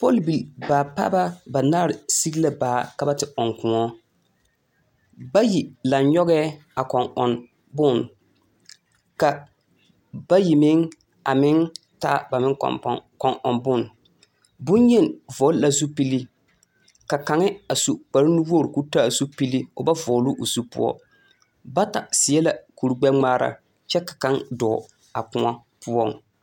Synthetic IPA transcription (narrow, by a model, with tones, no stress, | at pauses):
pɔ˦lbi˨lbaː˨pa̰ː˦ba˦ba˨naː˦ɾɪ˨si˦ɡla˦baː˨ka˨ba˦tɪ˨ɔ˨ŋkʊ˨ŋɔ˦ | ba˦ji˨la˨nɲɔ˦ɣɛː˦ | a˨kɔ˨ŋɔ˨n | bʊ˦˨n | ka˨ | ba˦ji˨mɪ˦ŋ | a˨mɪ˦ŋ | taː˦ba˨mɪ˦ŋ̰˨˦kɔ˨ŋʔɔ̰˨nbʊ˦˨n | bʊ˦n˦ɲɛ˦˨nvɔ˨˦lla˦zu˦pi˦li˦ | ka˨ka˨ŋɪ˦a˨su˨k͡pa˨ɾi˦nu˦wu˦o˦˨ɾku˦ta˦˨zu˦pi˦li˦o˨ba˦vɔ˨lʊ˦ʔo˨su˦pʊ̰˦ɔ̰˦ | ba˦ta˨sɪ˨˦ɛ˦la˨ku˨ɾu˨ɡ͡bɛ˦ŋ͡maː˦ɾa̰˨ | t͡ʃɛ˦kḁ˨ka˦ndɔː˨ | a˨kʊ˦a˦ | pʊ˦ɔ˦˨ŋ